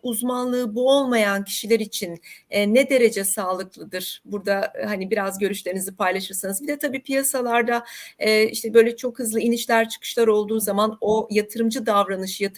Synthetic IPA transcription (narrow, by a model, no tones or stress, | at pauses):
uzmanlˠɯːbuo̞lˠmajancʰi̥ʃilʲɛɾit͡ʃʰinɛːɛd̪e̞ɾe̞d͡ʒɛsaːlˠɯklˠɯd̪ɯɾ̥buɾd̪ahanibiɾazɟø̞ɾyʃlʲe̞ɾinizipʰajlˠaʃɯɾsanɯzbid̪ɛt̪ʰabiːpʰijasalˠaɾd̪aɛːḭʃt̪ʰɛbø̞jlʲɛt͡ʃʰo̞khɯzlˠɯiniʃlʲæɾt͡ʃʰɯ̥kʰɯ̥ʃlˠaɾo̞lˠd̪uːzamano̞jat̪ʰɯɾɯmd͡ʒɯd̪avɾanɯʃjat̪ʰ